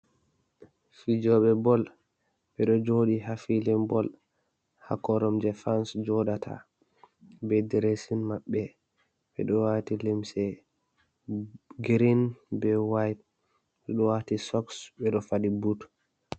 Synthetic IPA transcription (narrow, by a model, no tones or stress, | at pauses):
fid͡ʒɔɓɛbɔl | ɓɛɗɔd͡ʒoɗiɦafilimbɔl | ha̰kɔɾɔmd͡ʒɛfansd͡ʒɔɗatʰa̰ | bɛdɛɾesinmaɓːɛ | ɓɛɗɔwatilimsɛ | ɡɾinbɛwajt̚ | ɓɛɗɔwaːtisɔksbɛɗɔfadibut